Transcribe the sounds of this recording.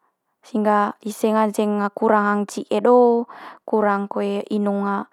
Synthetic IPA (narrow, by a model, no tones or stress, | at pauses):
siŋɡaiseŋant͡ʃɛŋːakuɾaŋɦaŋt͡ʃiʔeɗɔkuɾaŋkoeinuŋa